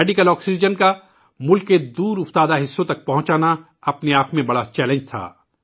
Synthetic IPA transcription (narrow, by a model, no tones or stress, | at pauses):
ɛːɖɪkəlɔːksid͡ʒənka | mʊlkːed̪uːɾʊft̪aːd̪aɦɪsːõt̪ɐk̚pɐɦʊ̃t͡ʃaːna | ɐpneaːpmẽbɐɽat͡ʃɛːlẽnd͡ʒt̪ʰa̰ː